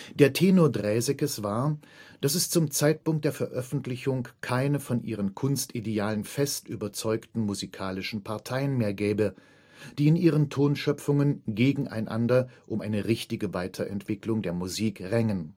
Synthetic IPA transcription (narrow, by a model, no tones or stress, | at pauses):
d̥eːɐtʰeːnodʁɛːzɛkəsv̥aːɐ | d̥asɛst͡sʊmt͡saɪt̚pʊŋkt̚d̥eːɐfɛɐʔœfn̩tlɪçʊŋkʰaɪnəfɔnʔḭːʁ̞ənkʰʊnstideaːlənfɛstʔyːbɐt͡sɔʏktn̩muzikʰaːlɪʃn̩pʰaɐtʰaɪənmeːɐɡɛːbə | d̥iːɪnʔiːʁ̞əntʰoːnʃœpp͡fʊŋənɡeːɡŋ̩ʔa̰ɪnʔa̰ndɐʔʊmʔaɪnəʁɪçtɪɡəvaɪtʰɐʔɛ̰ntv̥ɪklʊŋdeːɐmuziːkʁɛŋən